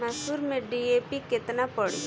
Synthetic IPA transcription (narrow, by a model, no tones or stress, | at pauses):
masuːɾmẽɖiepikɪt̪napəɽḭ